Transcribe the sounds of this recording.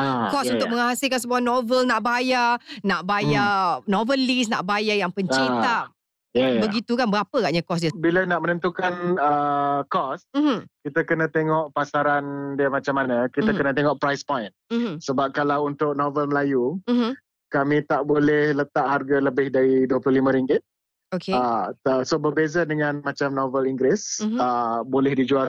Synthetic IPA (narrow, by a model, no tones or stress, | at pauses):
akɔsunʊk̚məŋasɪlkans̬əbuanovəlnaʔbajanaʔbajanovəlis̬na̰ʔbajajaŋpəɲt͡ʃit̪a | jajbəɡit̪ukanbəɾapəɣaʔɲakɔs̬diəbilənaʔmənə̃nt̪ukanəkɔsm̩m̩kit̪akənãt̪eŋɔʔpasaɾandiəmat͡ʃamːanə̃kit̪əkənə̃t̪eŋɔʔpɾajspɔjnsəbap̚kalawunt̪ʊk̚novəlməlaju | kamĩt̪aʔbolɛhlət̪aʔɦarɡaləbɪhdaɾiduəplulimə̃ɾiŋɡɪt̪̚ | okeəəsobərbezədəŋãnmãt͡ʃamnovəliŋɡɾɛsəbolɛhdid͡ʒual